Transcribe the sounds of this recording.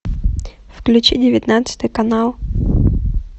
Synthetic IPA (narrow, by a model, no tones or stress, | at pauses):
fklʲʉt͡ɕidʲɪvʲɪt̪nat̪sɨ̥t̪ɨjkɐnalˠ